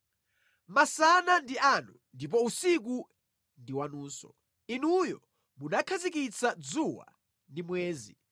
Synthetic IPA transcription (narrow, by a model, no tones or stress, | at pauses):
masanandianundip̬ɔusik̬u | ndiwanuːsɔ̰ | inujɔ | munakʰazikit͡sʰad͡zuwa̰ | ndimwɛːzḭ